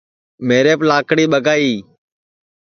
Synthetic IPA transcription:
meːɾeːplaːkɽiːɓəɡaːiː

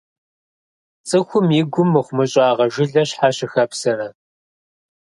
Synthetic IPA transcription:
t͡sʼɨxʷʊmjɪɡʷʊmːɨχʷmɨɕʼɑːʁɐʒɪɮɐɕħaɕɪxɐpsɐrɐ

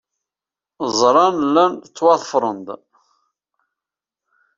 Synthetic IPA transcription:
zˤɾˤɑnlːænt͡sːwɑðˤəfɾˤənd̪

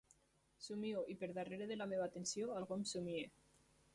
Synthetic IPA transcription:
sumioʔipeɾðareɾeðelameβaːt̪ensioalɣomsumie

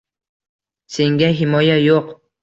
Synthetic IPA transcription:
sɪŋɡʲaɦɪmojajoq

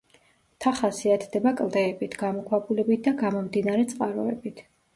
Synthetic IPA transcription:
t̪ʰaχasiat̪ʰd̪ɛbakʼlˠd̪ɛɛbit̪ʰɡamɔkʰwapʼulɛbit̪̚ʰd̪aɡamɔmd̪inaɾɛt̪sʼqʼaɾɔɛ̰bit̪ʰ

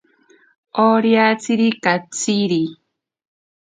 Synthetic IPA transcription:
oɾjat͡siɾikat͡siɾi

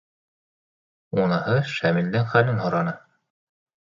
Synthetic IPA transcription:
unɤ̆hɤʃæmild̪ɘŋχælɘnhŏɾɑnɤ

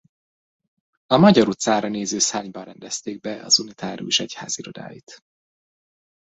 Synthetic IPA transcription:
ɒmɒɟɒɾut̪saːɾɒneːzøːsaːɲbɒrɛnd̪ɛst̪eːɡ̚bɛɒ̰zunit̪ʰaːɾṵeʃɛcha̰ːziɾo̞d̪a̰ːjit̪

